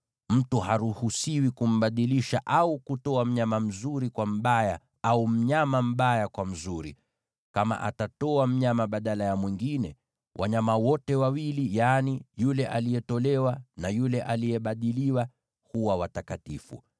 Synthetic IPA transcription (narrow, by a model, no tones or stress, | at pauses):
m̩tuhaɾuhusiwikum̩ɓaɗiliʃaʔaukutɔam̩ɲamam̩zuɾikwam̩ɓaja | aum̩ɲamam̩ɓajakwam̩zuɾḭ | kama̰ʔa̰tatɔam̩ɲamaɓaɗalajamwiŋɡinɛ | wʔa̰ɲamawɔtɛwawilijanijulɛʔalijɛtɔlɛwanajulɛʔalijɛɓaɗiliwa | huwawatakatifṵ